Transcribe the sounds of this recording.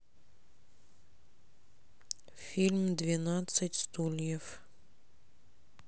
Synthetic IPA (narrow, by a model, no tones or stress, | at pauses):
fʲilʲmd̪vʲɪnat̪sɨtʲst̪ulʲjəf